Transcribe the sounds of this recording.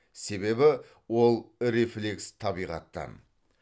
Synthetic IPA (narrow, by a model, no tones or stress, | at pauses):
se̞be̞bɪ | wo̞lˠɾeflekst̪ʰɑbijʁɑ̰t̪ːɑ̰n